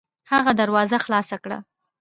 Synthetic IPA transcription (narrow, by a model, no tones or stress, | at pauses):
haɣad̪aɾwɑzaxlɑsakɽa̰